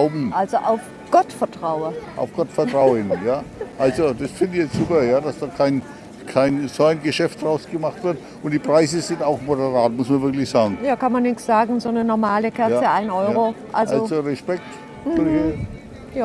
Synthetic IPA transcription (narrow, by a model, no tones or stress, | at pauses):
ʊbm̩ʔalzoʔaʊf | ɡ̥ɔtfɛɐtʁ̥aʊəʔa̰ʊfɡ̥ɔtfɛɐtʁ̥aʊənjaːʔalzod̥asfɪndɪçjɛt͡sz̥uːpɐjaːd̥asd̥aːkʰaɪn | kʰaɪnzoaɪnɡəʃɛftdʁaʊsɡ̥əmaχtv̥ɪɐt | ʊntd̥iːpʁ̥aɪzəzɪntaʊxmodəʁaːtmʊsmɐnvɪɐklɪçz̥aːɡŋ̩jaːkʰanmanːɪçz̥aːɡŋ̩zoːnənɔɐmaːləkʰɛɐt͡səʔaɪnɔʏʁoʔa̰lʔzalozoʁɛʃpɛk̚t | fyi | jaː